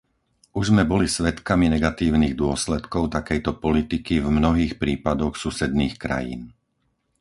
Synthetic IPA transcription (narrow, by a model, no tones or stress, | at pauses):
uʒzmɛbɔlisʋɛt̪kaminɛɡat̪iːʊniɣd̪ʊɔslɛt̪kɔʊt̪akɛjt̪ɔpɔlit̪ikivmnɔɦiːxpɾiːpad̪ɔxsusɛd̪niːxkɾa̰jḭːn